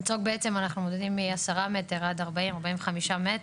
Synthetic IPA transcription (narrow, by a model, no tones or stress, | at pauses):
t͡soɡ̚beet͡semanaχnumo̞d̪edimːiasaʁame̞teʁad̪aʁbaimaʁbaimveχamiʃamet